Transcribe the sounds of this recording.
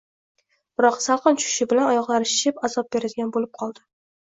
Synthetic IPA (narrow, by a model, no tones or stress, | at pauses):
b̥ɪɾɒqsalˠqɨnt͡ʃʰʊ̥ʃɪbɪlanɒjɒqlˠaɾɪʃɪpazɒp̚beɾɪd̪ɪɡʲanbolɪp̚qʰɒlˠd̪ɪ